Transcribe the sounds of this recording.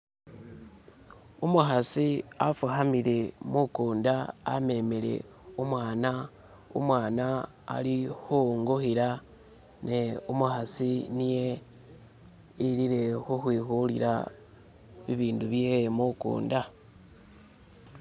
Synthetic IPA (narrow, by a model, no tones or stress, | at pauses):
umuxasiafuxamile̞mukuːnda̰ːme̞mele̞̰ | umwaːna | ṵmwaːna̰ː | lixuŋɡoxiɾa | ne̞umuxasinije̞ | iliɾe̞xuxwiːxulḭɾa̰ | βiβiːnduβjemukṵːnda